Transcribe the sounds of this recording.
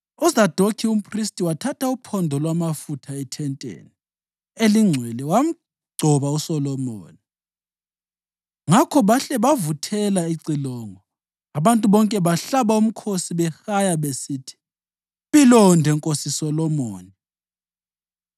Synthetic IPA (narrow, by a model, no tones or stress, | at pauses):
ɔzad̥ʱokʰium̩pʰristʼiwatʰatʰaupʰɔndʱɔlwamafutʰaɛtʰɛntʼḛni | eliŋ͡ǀʱwɛlɛwam̩ | ɡ͡ǀʱɔβausɔlɔmoːni | ŋakʰɔβaɬɛβavutʰɛlaiǀilɔŋɔ | aβantʼuβɔŋkʼɛβaɬaβaum̩kʰosiβɛxajaβesiːtʰi̥ | βilɔndʱɛŋkʼosisɔlɔmoːni